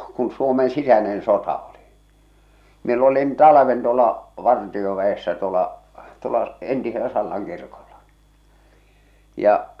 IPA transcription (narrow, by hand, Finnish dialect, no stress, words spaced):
kun suomen sisænen sotɑ oli miel olin tɑlɑʋen tuolɑ ʋɑrtioʋæesːæ tuolɑ tuolɑ entiselæ sɑlːɑŋ kirkoll̥ɑ̥ jɑ